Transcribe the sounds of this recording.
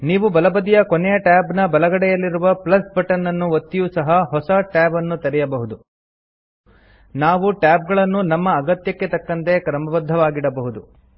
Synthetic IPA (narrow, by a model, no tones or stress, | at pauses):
niːʋubɐlɐbɐd̪ijɐkonejɐʈaːbnɐbɐlɐɡɐɽɛjɐlːiɾuʋɐplɐsbɐʈɐnːɐnːuot̪ːijusɐɦɐɦɔsɐʈaːbɐnːut̪ɐɾɛjɐbɐɦud̪u | naːʋuʈaːb̚ɡɐɭɐnːunɐmːɐːɡɐt̪jɐkːe̞t̪ɐkːɐnt̪e̞kɾɐmɐbɐd̪ʱːɐʋaːɡiɽɐbɐɦud̪u